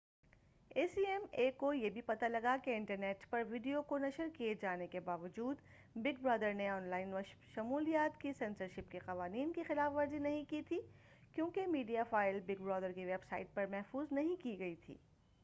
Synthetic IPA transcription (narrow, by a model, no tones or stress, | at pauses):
eːsiːɛmeːkojebʱipɐt̪alɐɡakeɪ̃ɳʈəɾneːʈpɐɾʋiːɖijokonɐʃəɾkijed͡ʒaːnekebaːʋəd͡ʒuːd̪ | bɪɡ̚bɾɔːd̪əɾneɔːnlaːɪnʋɐʃɐmuːlijaːt̪kisɛ̃ːnsəɾʃɪpkeqɐʋaːniːnkexɪlaːfʋɐɾzinɐɦĩkit̪ʰi | kjõːkemiːɖijafaːɪlbɪɡ̚bɾɔːd̪əɾkiʋeːbsa̰ːɪʈ̚pɐɾmɛɦfuːznɐɦĩkiɡɐit̪ʰḭː